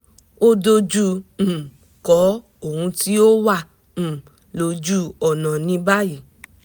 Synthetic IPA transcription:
o˦do˧d͡ʒu˧m̩̃˨ | kɔ˨˦ | o˦˨hũ˧ti˦o˦wã˦˨ | lo˧d͡ʒu˦ɔ˨nã˨nĩ˧ba˦ji˦˨

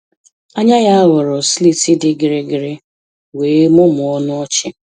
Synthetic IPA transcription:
a˦ɲa˦ja˦a˦wʊ˨ɾɔ˨sli˦tɪ˦dɪ˦ɡɪ˨ɾɪ˦ɡɪ˨ɾɪ˦ | weː˨˦mʊ˦mʊ˨ɔ˦nʊ˦ɔ˦t͡ʃɪ˦

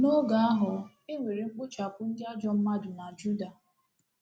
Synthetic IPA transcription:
no˦ɡa˨a˦ɦʊ˨ | ɪ˦ŋʷe˨ɾi˨ŋ͡m̩˦k͡pʊ˦t͡ʃa˨pʊ˦n̩˦dɪ˦a˦d͡ʒɔ˦m̩˦ma˦dʊ˨na˨d͡ʒu˦da˨

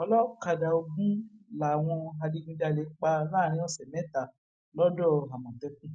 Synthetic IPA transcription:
ɔ˧lɔ˦ka˧da˨o˧ɡũ˦la˨w̃ɔ̃˧a˧di˧ɡĩ˧da˧˨le˨˦k͡pa˧lãː˦˨ɾ̃ĩ˦ɔ˦˨sɛ˨mɛ̃˨˦ta˨ | lɔ˦dɔ˦˨a˨mɔ̃˨tɛ˨˦kũ˦˨

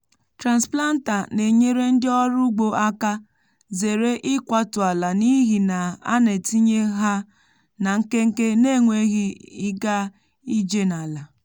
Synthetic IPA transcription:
tɾa˨nspla˦n̩˦ta˨ne˨ɲe˦ɾe˦n̩˦dɪ˦ɔ˦ɾʊ˦ɡ͡bo˨a˦ka˦ | ze˨ɾe˦ʔɪ˦kʷa˦tʊ˨a˨la˨ni˦ɦi˨na˨a̰˦ne˨ti˦ɲe˦ɦa˦ | na˨ŋ̩˦ke˦ŋ̩˦ke˦ne˦˨ŋʷe˦ɣi˦i˦ɡa˦ | i˦d͡ʒe˦na˨la˨

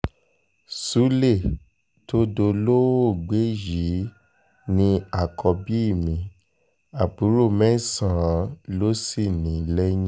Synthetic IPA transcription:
su˨˦le˦˨ | to˦do˧lo˦o˦˨ɡ͡be˨˦ji˨˦ | nĩ˧a˨kʰɔ˧bi˦i˦˨mĩ˨˦ | a˨bu˨˦ɾo˦˨mɛ̃˦sã˨˦lo˦si˦˨nĩ˨˦lɛ˦j̃ĩ˦

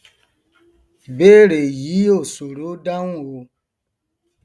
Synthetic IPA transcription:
be˦ɾe˨ji˨˦o˦˨so˨ɾo˦da˦n˦wo˧

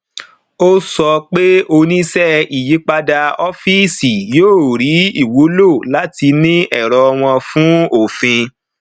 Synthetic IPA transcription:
o˦sɔ˧k͡pe˦o˧nĩ˦sɛ˦i˨ji˨˦k͡pa˧da˧ɔ˦fi˦si˨joː˦˨ɾi˨˦i˦˨wo˨˦lo˦˨la˨˦ti˧nĩ˦ʔɛ˦˨ɾɔ˧w̃ɔ̃˧fũ˦o˦˨fĩ˧

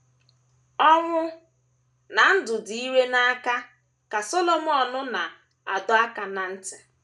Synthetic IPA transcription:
ɔ˦ŋʷʊ˦ | na˨n̩˦dʊ˨di˨i˦we˦na˦ka˦ | ka˨so˦lo˨m˦ɔ˨nʊ˦na˨ | a̰˨dʊ˦a˦ka˨na˨n̩˦tɪ̥˨

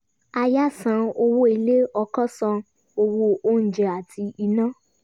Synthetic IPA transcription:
a˧ja˦˨sã˧˦o˧wo˦i˧le˦ɔ˧kɔ˦sɔ̃˧ | o˧wo˧o˦ñ̩˨d͡ʒɛ˨a˨tʰi˧i˧nã˦˨

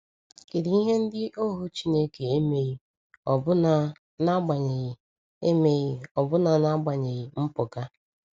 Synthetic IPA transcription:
ke˨ɾi˨˦i˦ɦe˦n̩˦dɪ˦ʔo˦ɦu˦t͡ʃi˦ne˦ke˨e˦me˦ɣi˦ | ɔ˨bʊ˦na˨ | na˦ɡ͡ba˨ɲe˨ɣ | e˦me˦ɣɪ˦ɔ˨bʊ˦na˨na˦ɡ͡ba˨ɲe˨ɣɪ˨m̩˦pʊ˨ɡa˦

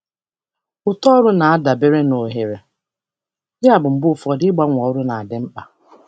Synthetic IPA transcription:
ʊ˨tɔ˦ɾʊ˦na˨a˦da˨be˦ɾe˦no˨ɦe˨ɾe˨ | jɪ˦a˨bʊ˨m̩˦bʊ˦˨fɔ˨dɪ˦ɡ͡ba˦ŋʷ˨ɔ˨ɾʊ˦na˨a˨dɪ˨m̩˦k͡pa˨

